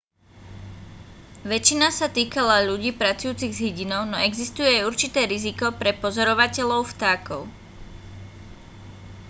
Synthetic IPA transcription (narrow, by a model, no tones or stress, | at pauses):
ʋɛt͡ʃinasat̪iːkalaʎuɟiːpɾat͡sujuːt͡siɣzɦiɟinɔʊnɔɛɡzist̪ujɛauɾt͡ʃit̪ɛːɾizikɔpɾɛpɔzɔɾɔʋacɛʎɔʊft̪aːkɔ̰ʊ